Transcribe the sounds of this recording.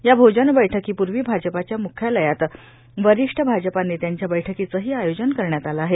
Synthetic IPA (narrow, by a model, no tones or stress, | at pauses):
jabʱod͡ʑənbəjʈʰəkiːpuɾʋiːbʱad͡ʑəpat͡ɕjamukʰjaləjat̪ | ʋəɾiʂʈʰəbʱad͡zəpanːit̪jaɲt͡ɕjabəjʈʰəkit͡səɦiːajod͡ʑənkəɾɳjat̪alaːɦe